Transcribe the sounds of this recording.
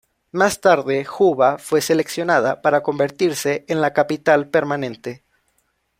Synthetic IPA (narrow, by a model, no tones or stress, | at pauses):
mast̪aɾðe̞xuβafwe̞se̞le̞ksjo̞naðapaɾako̞mbe̞ɾt̪iɾse̞ʔːnlakapit̪alpe̞ɾmanẽ̞nt̪e̞